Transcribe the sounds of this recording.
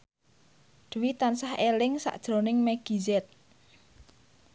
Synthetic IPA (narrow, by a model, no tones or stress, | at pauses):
d̥wit̪ansahelɪŋsa̰ʔd̥ʒ̥ɾo̤nɪŋmɛɡ̥i̤zɛt̪̚